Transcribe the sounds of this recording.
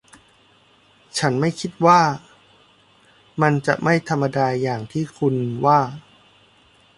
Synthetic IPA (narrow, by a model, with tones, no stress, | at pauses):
t͡ɕʰa˦˥nma˥˩jkʰi˦˥t̪̚waː˥˩ | ma˧nt͡ɕa˨˩ʔma˥˩jt̪ʰa˧mːa˧daː˧jaː˨˩ŋt̪ʰiː˥˩kʰu˧nwaː˥˩